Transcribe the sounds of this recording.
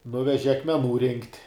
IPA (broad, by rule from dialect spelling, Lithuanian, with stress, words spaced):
ˈnʊʋʲɛʒʲɪ ɐkmʲɛˈnuː rʲɪŋktʲ